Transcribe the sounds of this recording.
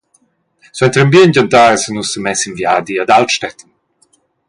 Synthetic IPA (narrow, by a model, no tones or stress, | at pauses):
swɛnt̪ɾəmbiənɟant̪aɾsənusəmɛsinvjaːd̪iad̪alt̪ʃtɛt̪ən